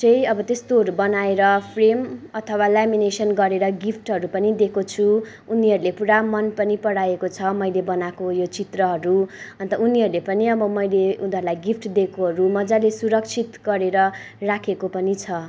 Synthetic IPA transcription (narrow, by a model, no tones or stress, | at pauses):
t͡sʌjʌbʌt̪est̪oɦʌɾubʌnaeɾʌpʰremʌt̪ʰʌwalaminesʌnɡʌɾeɾʌɡipʰʈɦʌɾupʌnid̪ekʰot͡sʰu | uniɦʌɾulepuɾamʌnpʌnipʌɽajekot͡sʰʌmʌjlebʌnakojot͡sit̪rʌɦʌɾuʌnt̪ʌuniɦʌɾulepʌniʌbʌmʌjleunʌɾulajɡipʰʈd̪ekoɦʌɾumʌd͡zalesuɾʌk̚t͡sʰit̪ɡʌɾeɾʌ | rakʰekopʌnit͡sʰʌ